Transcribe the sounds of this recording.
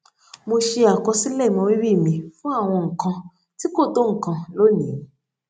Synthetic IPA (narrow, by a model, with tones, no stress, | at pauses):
mõ˧ʃe˧a˨kɔ˧si˦lɛ˦˨i˨mã˧wi˦wi˦˨mĩ˧fũ˦a˦˨w̃ɔ̃˧ŋ̩˨kã˧ | ti˦ko˦˨do˦ŋ̩˨kã˧lo˦nĩ˨